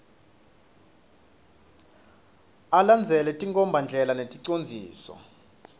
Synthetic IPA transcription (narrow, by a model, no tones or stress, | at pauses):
aland͡zʱɛlɛtʼiŋkʼɔmbʱand͡ɮʱɛlanetʼiǀond͡zʱiːsɔ̰